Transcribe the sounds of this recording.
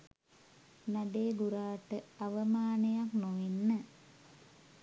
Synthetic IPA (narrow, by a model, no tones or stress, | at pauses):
naɖeːɡuɾaːʈəaʋəmaːnejaknoʋenːə